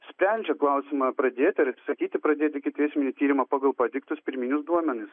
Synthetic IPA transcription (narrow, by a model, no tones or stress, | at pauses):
sʲpʲɾʲɛnʲd͡ʒʲɛklˠɐʊsʲɪmɐpɾɐd̪ʲeːt̪ʲɐɾsɐkʲiːt̪ʲɪpɾɐd̪ʲeːt̪ʲɪkʲɪt̪ʲɛɪsʲmʲɛnʲit̪ʲiːɾʲɪmɐpɑːɡɐlˠpɐd̪ʲɪkt̪ʊspʲɪɾʲmʲinʲʊsd̪uɔmʲɛnʲɪs